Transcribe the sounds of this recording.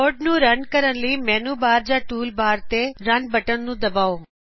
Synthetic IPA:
oːɖ̚nũːɾɐnkəɾəɽliːmɛːnuːbaːɾd͡ʑaʈuːlbʱaːɾt̪eɾɐnbɐʈəɽnũːd̪ɐbaːõ

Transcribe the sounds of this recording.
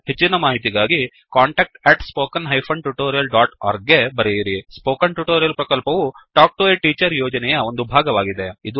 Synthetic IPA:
het͡ʃːinɐmaːɦit̪iɡaːɡi | kaːɳʈɐːk̚ʈeʈspoːkɐnɦɐjpʰɐɳɖʈuʈoːɾijɐlɖaːʈa̰ːɾɡɡe̞bɐɾejiɾispoːkɐnʈuʈoːɾijɐlpɾɐkɐlpɐʋuʈaːk̚ʈueʈiːt͡ʃɐɾjoːd͡ʒɐnɛjɐo̞nd̪ubʱaːɡɐʋaːɡid̪e̞id̪u

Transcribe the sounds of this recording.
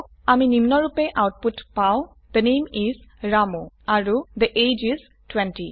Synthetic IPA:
aminimnɔɹupeʔawt̚putpaʊ̃ | d̪̥ənemizɹamo | aɹud̪əʔejd͡ʒiz | twɛ̃nti

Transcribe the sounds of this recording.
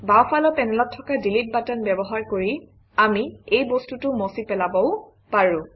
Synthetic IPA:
bawpʰalɔpɛnɛlɔtʰːɔkadilit̚batanbɛbɔɦaɹkoɹi | amiejbostutʊmɔsipɛlabɔʊ | paɹʊ̃

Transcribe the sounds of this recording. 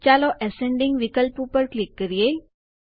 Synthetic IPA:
t͡ɕalɔʔɛsẽɳɖiŋɡʋikəlpupəɾklikːəɾije

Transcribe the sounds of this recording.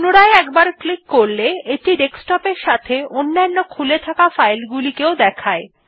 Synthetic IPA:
noɾaeɛkbaɾklikːoɾleeʈiɖeksʈɔpeɾʃat̪ʰeonːanːokʰulet̪ʰakafajlɡulikeod̪ɛkʰae

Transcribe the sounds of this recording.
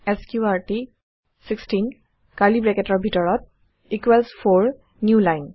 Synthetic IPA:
ɛskjuaɹti | sikstin | kalibɹɛkɛtɔɹbʱitɔɹɔt̚ | ikwɛlspʰoɹ | njulajn

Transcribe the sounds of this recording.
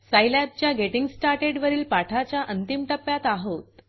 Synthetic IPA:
sajlap̚t͡ɕjaɡeʈiŋɡsʈaɾʈeɖʋəɾiːlpaʈʰat͡ɕjaʔənt̪imʈəpːjat̪aɦot̪

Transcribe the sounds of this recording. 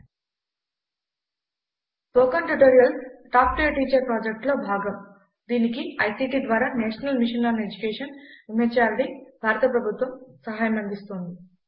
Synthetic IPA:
poːkɐɳʈuʈoːɾijɐlʈaːp̚ʈijɐʈiːt͡ʃɐɾpɾaːd͡ʒek̚ʈlo̞ːbʱaːɡɐm | d̪iːnikiɐjsiːʈiːd̪ʋaːɾaːnɛːʂɐnɐlmiʂɐnloːnɐed͡ʒukeːʂɐnumet͡ʃaːɾʈibʱaːɾɐt̪ɐpɾɐbʱut̪ʋɐmsɐɦaːjɐmɐnd̪ist̪ond̪i

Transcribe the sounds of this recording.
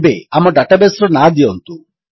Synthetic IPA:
beamɔɖaʈabesɾɔnad̪iɔnt̪u

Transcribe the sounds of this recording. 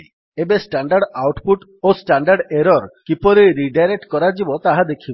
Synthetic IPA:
ebesʈaɳɖaɾɖawʈpuʈ | osʈaɳɖaɾɖeɾɔɾkipɔɾeɾiɖajɾek̚ʈkɔɾad͡ʒibɔt̪aɦad̪ekʰib

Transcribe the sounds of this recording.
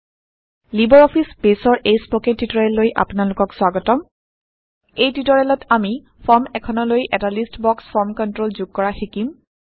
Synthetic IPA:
libɔɹɔpʰispesɔɹʔejspɔketːitɔɹɛlːojʔa̰pʊnalʊkɔkswaɡɔtɔm | ejtitɔɹɛlɔtami | pʰɔɹmɛkʰɔnɔlojʔɛtalistbɔkspʰɔɹmkɔntɹolzuɡ̚kɔɹaxikim

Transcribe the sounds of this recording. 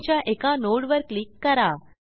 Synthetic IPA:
t͡ɕjaʔekanoɽʋəɾklikːəɾa

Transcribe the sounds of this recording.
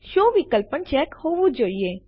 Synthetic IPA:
ʃoːʋikəlpənt͡ʃɛːkhoːʋud͡ʒoːie

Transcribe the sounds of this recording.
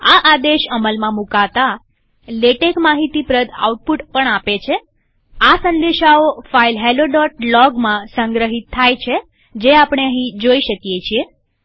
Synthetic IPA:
aʔad̪eʃəməlmãmukat̪a | leʈekmaɦit̪ipɾəd̪a̰uʈ̚puʈpəɳapet͡ʃʰe | asənd̪eʃaofailɦeloɖɔʈlɔɡmãsə̃ŋɡɾəɦit̪ʰːajt͡ʃʰe | d͡ʒeapɳ̃eəɦĩd͡ʒoiʃəkjet͡ʃʰie

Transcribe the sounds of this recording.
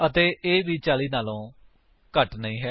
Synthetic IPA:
ət̪eːʔeːʋiːt͡ʃaːliːnaːlõː | kəʈnəĩːɦɛː

